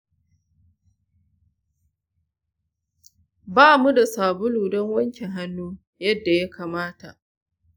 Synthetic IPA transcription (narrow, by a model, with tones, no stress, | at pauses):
baː˦mu˦da˨saː˨bʊ˦luː˨dɔ˦ŋwɐ˦ŋkʲe˨ɦa˦nːuː˦ | jɐ˦dːa˨ja˦kʰaː˨maː˦ta˨ʔ